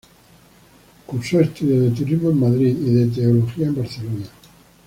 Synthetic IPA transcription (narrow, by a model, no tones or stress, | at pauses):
kuɾsoest̪uðjoðet̪̬uɾizmoemːaðɾiiðet̪̬eoloxiaembaɾθelona